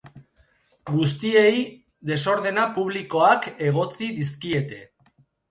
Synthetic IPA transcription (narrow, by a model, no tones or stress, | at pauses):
ɡus̬t̪ie̞j | d̪e̞so̞ɾð̞e̞napuβ̞liko̞ake̞ɣ̞o̞t͡siðis̬kie̞t̪e̞